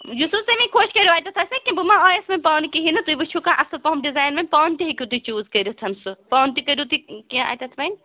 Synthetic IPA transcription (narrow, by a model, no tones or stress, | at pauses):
jususemĩkʰoːt͡ʃkɐɾiaːjt̪ɐt̪ʰɐsɐkĩbumãɔːjesmɐnʲpaːnkiɦinɐt̪ujbɨt͡ʃʰukãʔɐsɐlpɐmɖizaːjnmɐnpaːnt̪iɦekʲit̪ut͡ʃuːzkɐɾit̪ʰɐmsupaːwnt̪ikɐɾut̪ikĩa̰jt̪ɐt̪ʰmɐn